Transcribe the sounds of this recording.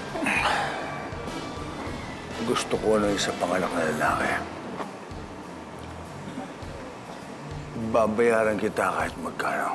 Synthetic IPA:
ɡʊst̪ʊkonɐŋɪsapɐŋɐnɐk̚nɐlɐla̰ːkɪ | babɐjaːɾɐnkɪt̪akɐɪt̪̚mɐɡ̚kaːno̰

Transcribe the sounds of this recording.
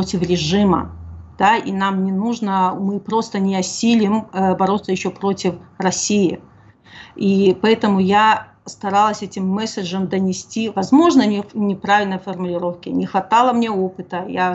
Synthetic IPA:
otʲɪfɾʲɪʐɨmə̰d̪̥aḭnamnʲɪnuʐnəmɨpɾo̞st̪ənʲɪɐsʲilʲɪmbɐɾo̞t̪səjɪɕːopɾo̞tʲɪfrɐsʲijɪ̰ | ipɐɛt̪əmʊja | st̪ɐɾalˠəsʲɛtʲɪmːɛsʲəʐəmd̪ənʲɪsʲtʲivɐzmo̞ʐnənʲɪnʲɪpɾavʲɪlʲnəjfərmʊlʲɪɾo̞fkʲɪnʲɪxvɐt̪alˠəmnʲe̞o̞pɨt̪əja

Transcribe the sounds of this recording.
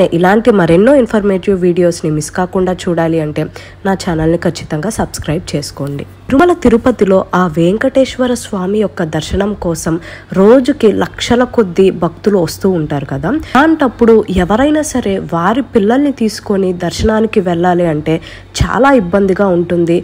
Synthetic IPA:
eʔilaːɳʈimɐɾenːoːinpʰɐɾmeːʈiʋʋiːɽijo̞ːsnimiskaːkuɳɖaːt͡ʃuːɽaːliɐɳʈe̞ː | naːt͡ʃaːnɐlnikʰɐɾt͡ʃːi̥t̪ɐŋɡaːsɐbskɾɐjb̚t͡ʃe̞ːsu̥koːɳɖḭ | ɾumɐlɐt̪iɾupɐt̪ilo̞ːʔaːʋeːŋkɐʈeːʃʋɐɾɐsʋaːmijɔkːɐd̪ɐɾʃɐɳɐmkɔːsɐmɾo̞ːd͡ʒukilɐkʂɐlɐko̞d̪ːibʱɐk̚t̪uluʋɐst̪uːɳʈaːɾukɐd̪aːaːɳʈɐpːuɽuɛʋɐɾɐjnaːsɐɾe̞ːʋaːɾipilːɐlnit̪iːsu̥ko̞nid̪ɐɾʃɐɳaːnikiʋɛɭːaːliɐɳʈe̞ː | t͡ʃa̰ːlaːibːɐnd̪iɡaːuɳʈund̪i

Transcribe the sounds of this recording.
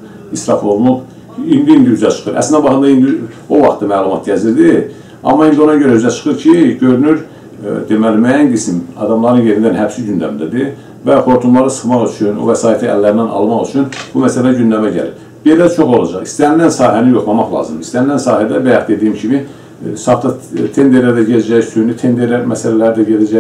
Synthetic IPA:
isɾɑfo̞vlˠuq | ind̪iind̪iyzæt͡ʃʰɯ̥χɯɾʔæ̰slinæbɑχɯnd̪ɑind̪i | o̞vɑχt̪ɑmæːlˠumɑt̪̚ɟæziɾd̪i | ɑ̰mːɑind̪io̞nɑɟøɾæyzæt͡ʃʰɯ̥χɯɾcʰiɟø̞ɾynyɾ | d̪e̞mælimæjænɡismɑ̰d̪ɑmlˠɑɾɯnje̞ɾind̪ænhæbsiɟynd̪æ̰md̪æd̪i | væχo̞ɾt̪ʰumlˠɑɾɯsɯ̥χmɑʁyt͡ʃʰyno̰væsɑːjt̪ʰiæ̰lːæɾnænɑ̰lˠmɑχyt͡ʃʰynb̥umæsælæɟynd̪æmæɟæ̰lḭɾ | b̥̪elæt͡ʃʰo̞χo̞lˠɑd͡ʒɑχist̪ænilænsɑːhænijo̞χlˠɑmɑχlˠɑ̰ːzɯmd̪ist̪ænilːænsɑːhæd̪æbæjɑχd̪e̞d̪ijimcʰimi | sɑft̪ʰɑt̪ʰe̞nd̪e̞ɾlæɾd̪æɟelæd͡ʒæçsynyt̪ʰend̪e̞ɾlæɾmæsælælæɾd̪æɟelæd͡ʒæ

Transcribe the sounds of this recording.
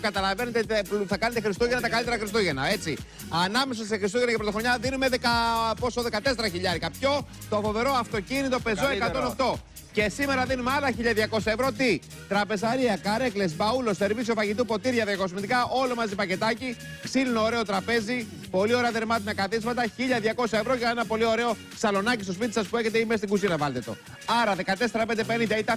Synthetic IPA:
kɐt̪ɐlɐvenet̪et̪pθɐkɐne̞t̪exɾist̪uʝenɐt̪ɐkɐlit̪eɾɐxɾist̪uʝenɐe̞t͡si | ɐnɐme̞sɐs̬exɾist̪uʝe̞nɐcɐpɾot̪oxɾoɲɐðinume̞ðekɐpo̞soðe̞kɐt̪e̞seɾɐçiʎɐɾikɐpço̞ | t̪ofo̞ve̞ɾo̞ɐft̪o̞cinit̪o̞pe̞zoekɐt̪oneft̪o̞ | ce̞sime̞ɾɐðinumeɐlɐçiʎɐðʝɐko̞sɐevɾo̞t̪i | t̪ɾɐpe̞sɐɾiɐkɐɾe̞klesbɐulo̞st̪e̞ɾvisio̞fɐʝit̪upo̞t̪iɾʝɐðjɐkosmit̪ikɐʔo̞lomɐzipɐce̞t̪ɐci | ksilunooɾe̞ot̪ɾɐpe̞zi | po̞lio̞ɾeɐðe̞ɾmɐt̪inɐkɐθizmɐt̪ɐçiʎɐðʝɐko̞sɐevɾo̞ʝɐenɐpo̞lio̞ɾe̞o̞ | sɐlo̞nɐcist̪ospit̪i̥sɐspueçet̪eimest̪iŋɡusiɾɐvɐlt̪et̪o̞̰ | ɐɾɐðe̞kɐt̪e̞se̞ɾɐpe̞nd̪epe̞nind̪ɐit̪ɐ

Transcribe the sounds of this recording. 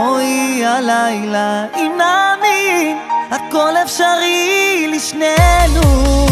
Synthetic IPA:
ojalajlainami | ad̪kolefʃaʁiliʃnenu

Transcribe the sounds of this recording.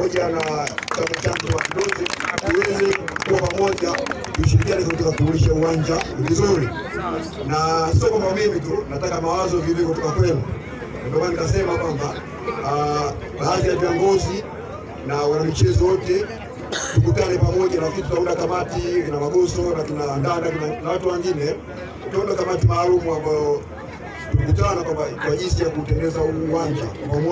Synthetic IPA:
amɔʄanat͡ʃaŋat͡ʃaduwakidɔzɛtuwɛzɛkuapamɔʄa | tuʃiɾik̬ianɛkakt̬ɔkakuuliʃauwaɲd͡ʒavizuli | nasisɔkambamimit̬unatakamawazɔvivɔkutɔkakwɛnu | nudɔmanikasɛmakwamba | ɓaad͡ʒiaviɔŋɡɔzi | nawanamit͡ʃɛzɔwɔtɛ | tuk̬utaɾɛpamɔʄalakinit̬utaundakamatikinamaɡɔsɔnakinandanakinanawatuwaŋɡinɛ | tukaɔndakamat̬imaːlumuambajɔ | tukutanakwaakwaʄisijakuːtɛndɛzauːwaɲd͡ʒakam

